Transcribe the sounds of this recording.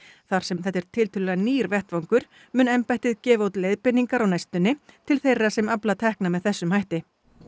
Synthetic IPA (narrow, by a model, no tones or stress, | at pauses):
θaɾ̥sɛmθɛht̪ːɛɾ̥t̪ʰɪlt̪ʰʏːllɛaniːɾvɛht̪vawŋkʏɾ̥ | mʏːnɛmpajht̪ɪðcɛːvaowt̪lejðpɪnːiŋkaɾawnajst̪ʏnːɪt̪ʰɪlθejrːasɛmaplat̪ʰɛhknamɛðθɛsːʏmhajht̪ɪ